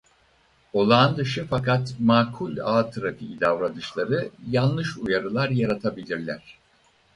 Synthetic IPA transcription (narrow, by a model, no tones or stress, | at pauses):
o̞lˠaːnd̪ɯʃɯfakat̪maːkʰulʲaːt̪ʰɯɾafiid̪avɾad̪ɯʃlˠaɾɯjanlˠɯʃujaɾɯlˠaɾjaɾat̪ʰabilʲiɾlʲæɾ̥